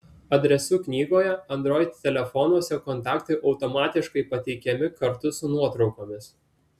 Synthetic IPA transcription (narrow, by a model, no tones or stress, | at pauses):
ɐd̪ʲɾʲɛsʊknʲiːɡoːjɛɐnd̪ɾoːɪt̪ʲt̪ʲːɛlʲɛfɔnuɔsʲɛkɔnt̪ɑːkt̪ɐɪʔɒʊt̪oːmɑːt̪ʲɪʃkɐɪpɐt̪ʲɛɪkʲɛmʲɪkɐɾt̪ʊsʊnuɔt̪ɾɒʊkoːmʲɪs